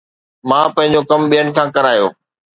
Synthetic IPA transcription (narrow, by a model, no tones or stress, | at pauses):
mãːpɐ̃ɦɪ̃ɲd͡ʑokɐmɓijənɪ̆kʰãːkɐɾaːjo̰ː